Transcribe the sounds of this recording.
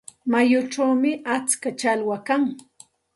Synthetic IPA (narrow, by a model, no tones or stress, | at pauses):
majʊʈ͡ʂawmɪʔat͡skat͡ʃalwakaŋ